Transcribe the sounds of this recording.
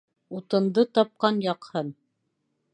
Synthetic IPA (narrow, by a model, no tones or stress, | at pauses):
ut̪ɤ̆nd̪ɤt̪ɑp̚qɑnjɑqhɤn